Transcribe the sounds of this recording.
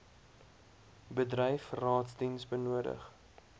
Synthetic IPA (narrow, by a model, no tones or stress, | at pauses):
bədrəjfrɑːtsdinsbənuədə̰χ